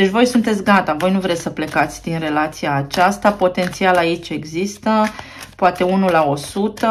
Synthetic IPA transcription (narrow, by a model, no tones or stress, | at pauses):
d̪et͡ʃʲvo̞jsunt̪e̞t̪sʲɡat̪avo̞jnuvɾe̞səple̞kat̪sʲd̪inre̞lat̪sijaːt͡ʃast̪apo̞t̪e̞nt̪sialait͡ʃʲe̞ɡzist̪ə | poat̪e̞unulao̞sut̪ə